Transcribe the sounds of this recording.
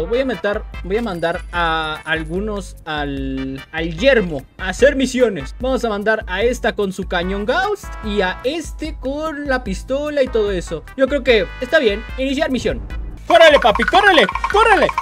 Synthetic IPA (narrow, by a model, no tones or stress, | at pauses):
βo̞jamẽt̪aɾbo̞jamãnd̪aɾaːlɣuno̞s | alalʝe̞ɾmo̞ | ase̞ɾmisjo̞ne̞sbamosamãnd̪aɾae̞st̪ako̞nsukaɲõ̞ŋɡawst̪iae̞st̪e̞ko̞nlapist̪o̞lait̪o̞ð̞o̞e̞so̞ɟ͡ʝo̞kɾe̞oke̞est̪aβje̞ninis̬jaɾmisjo̞nkorelepapikorelekorele